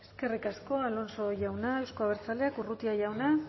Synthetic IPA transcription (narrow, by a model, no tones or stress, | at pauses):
e̞ske̞rikasko̞alo̞nso̞ʝawnaewsko̞aβeɾt͡saleakurut̪iaʝawna